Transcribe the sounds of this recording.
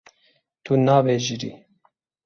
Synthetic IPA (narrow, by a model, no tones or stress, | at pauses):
t̪ʰunɑːveːʒiɾḭː